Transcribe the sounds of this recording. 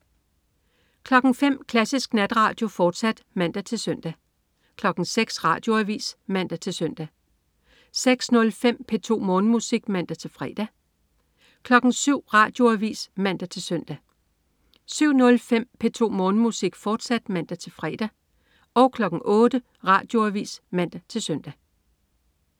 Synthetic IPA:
kʰlɒ̽ɡ̥ŋ̩fem̰kʰlæsisɡ̥næd̥ʁɑ̈ːd̥jo̝fɒːd̥sæd̥mæn̰d̥æt͡sʰe̝lsœn̰d̥æ | kʰlɒ̽ɡ̥n̩seɡ̥sʁɑ̰̈ːd̥jo̝æʋḭːsmæn̰d̥æt͡sʰe̝lsœn̰d̥æ | seɡ̥snɔ̽lfem̰pʰet͡sʰo̝̰ːmɔ̽ːnəmusiɡ̥mæn̰d̥æt͡sʰe̝lfʁɛːd̥æ | kʰlɒ̽ɡ̥ŋ̩syʊ̰ʁɑ̈ːd̥jo̝æʋḭːsmæn̰d̥æt͡sʰe̝lsœn̰d̥æ | syʊ̰nɔ̽lfem̰pʰe̝t͡sʰo̝̰ːmɔ̽ːnəmusiɡ̥fɒːd̥sæd̥mæn̰d̥æt͡sʰe̝lfʁɛːd̥æ | ɒ̽ʊkʰlɒ̽ɡ̥ŋ̩ʔɔ̽ːd̥ə | ʁɑ̈ːd̥jo̝æʋḭːsmæn̰d̥æt͡sʰe̝lsøn̰d̥æ

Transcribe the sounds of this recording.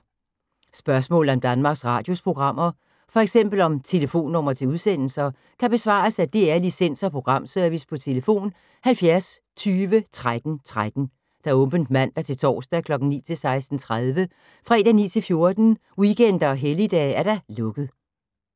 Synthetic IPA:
sb̥ɶɐsmɔ̰lð̩ˠɒ̽md̥ænmɑ̈ːɡ̥sʁɑ̰̈ːd̥jo̝spʰʁo̝ɡ̥ʁɑ̈m̰ɐ | fɒ̽eɡ̥sem̰b̥l̩ɒ̽mt͡sʰe̝ləfo̝̰ːnːɔ̽mɐt͡sʰe̝uð̞ˠsen̰l̩sɐ | kʰæb̥e̝sʋɑ̰̈ːsæd̥e̝æɐlisen̰sɒ̽pʰʁo̝ɡ̥ʁɑ̈m̰søɐʋispʰɒ̽t͡sʰe̝ləfo̝̰ːn | hælfjæɐs | t͡sʰyːʋət͡sʰʁad̥n̩t͡sʰʁad̥n̩ | d̥ɑɔ̽mb̥ən̩d̥mæn̰d̥ɑ̈t͡sʰe̝lt͡sʰɒ̰ːsd̥ɛkʰlɒ̽ɡ̥n̩nḭːt͡sʰe̝lsɑ̈ɪsd̥n̩t͡sʰʁað̞ˠʋə | fʁɛ̰ːd̥ænḭːt͡sʰe̝lfjo̝ɐd̥n̩ | wikʰen̰d̥ɐɒ̽ɦelid̥ɛ̰æɐɾ̥ɑlɔ̽ɡ̥ð̩ˠ

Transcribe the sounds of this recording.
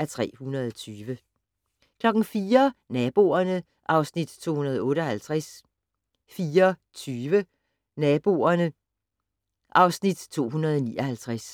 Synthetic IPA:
ʔæɐt͡sʰʁɛ̰ːhunɐð̞ˠɒt͡sʰyːʋə | kʰlɒ̽ɡ̥n̩fiːɐnɛb̥o̝̰ɐnə | ʔɑ̈ʊsnid̥t͡sʰo̝̰ːhunɐð̞̩ˠɔ̽ːɾ̥əɒ̽hælt͡sʰʁas | fiːɐ | t͡sʰyːʋə | nɛb̥o̝̰ːɐnə | ʔɑ̈ʊsnid̥t͡sʰo̝̰ːɦunɐð̞ˠɒnḭːʔɒ̽hælt͡sʰʁas

